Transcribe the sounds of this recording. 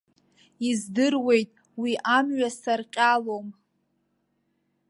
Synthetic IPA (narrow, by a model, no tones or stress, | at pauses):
izdɨrwe̞jtʼ | wiʔamɥasarqʲʼalom